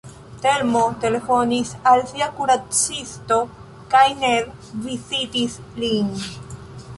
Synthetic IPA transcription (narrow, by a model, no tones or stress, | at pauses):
t̪eɾmot̪elefonisalsiakuɾat͡sist̪o | kajneɾvisit̪islin